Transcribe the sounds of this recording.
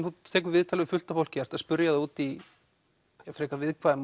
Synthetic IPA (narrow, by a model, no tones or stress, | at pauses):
nθut̪ʰɛːk̬ʏɾvɪðt̪ʰalɛɣʏfʏl̥t̪afowl̥cɪɛɾ̥t̪aspʏɾjaðauːt̪i | afɾɛːkavɪðkʰvaːðɪm